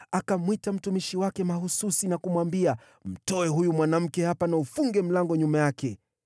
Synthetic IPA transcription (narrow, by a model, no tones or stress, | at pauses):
akamwitam̩tumiʃiwakɛmahususinakumwambia | m̩tɔɛɦujumwanam̩kɛhapanaufuŋɡɛm̩laŋɡɔɲumajakɛ